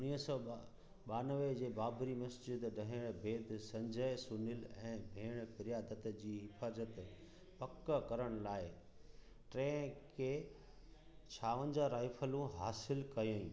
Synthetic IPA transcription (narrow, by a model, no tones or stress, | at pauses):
ʊniːɦsɔː | ɓaːnəʋed͡ʑeːbaːbɾimɐsd͡ʑɪd̪ɖɐɦɪɽ̃bʱeːd̪sɐ̃ɲd͡ʑəɪsunɪlɛ̃ːbʱeːɽ̃pɪɾijaːd̪ət̪d͡ʑiːɦɪfaːzət̪ | pɐkəkɐɾəɽ̃laːɪ | ʈɾẽːkʰeː | t͡ɕʰaːʋə̃ɲd͡ʑəɾaːɪfʰəlũɦaːsɪlkɐjõ